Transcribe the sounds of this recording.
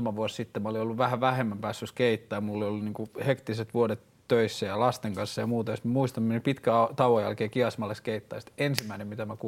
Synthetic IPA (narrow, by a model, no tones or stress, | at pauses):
ɑmɑʋuossit̪ːemæoliolːuʋʋæhæʋʋæhemːæmpæːsːyskeit̪ːɑjmulːiolːuniːŋkuhekt̪iset̪ʋuodet̪ːøisːæjɑlɑst̪eŋkɑnsːɑjɑmuːt̪ɑjosmæmuist̪ɑmmenipit̪kæɑt̪ɑwojæ̰lkeːkiɑsmɑlːeskeit̪ːɑ̰jst̪ensimːæinemmit̪æmæku